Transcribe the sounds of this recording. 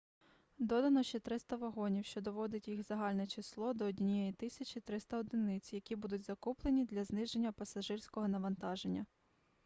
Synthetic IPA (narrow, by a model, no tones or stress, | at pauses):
d̪ɔd̪ɐnɔʃt͡ʃɛt̪ɾɪst̪ɐʋɐɦɔnʲiwʃt͡ʃɔd̪ɔʋɔd̪ɪtʲjixzɐɦɑlʲnɛt͡ʃislˠɔd̪ɔːdʲnʲijɛjit̪ɪsʲɐt͡ʃʲit̪ɾɪst̪ɐɔd̪ɪnɪt͡sʲjɐkʲibud̪ʊtʲzɐkuplˠenʲid̪lʲɐznɪʒenʲːɐpɐsɐʒɪrʲsʲkɔɦɔnɐʋɐnt̪ɑʒenʲːɐ